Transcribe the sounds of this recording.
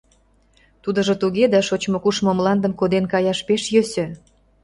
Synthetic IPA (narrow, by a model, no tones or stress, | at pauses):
t̪ud̪ə̆ʒŏt̪uɣed̪ɑʃot͡ɕmokuʃmomlɑnd̪ə̆mkod̪enkɑjɑʃpeʃjøsø̆